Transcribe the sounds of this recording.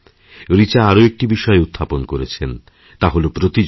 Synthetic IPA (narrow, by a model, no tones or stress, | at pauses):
ɾit͡ɕaaɾoek̚ʈibiʃɔeut̪ʰːaponkoɾet͡ɕʰen | t̪aɦolopɾot̪i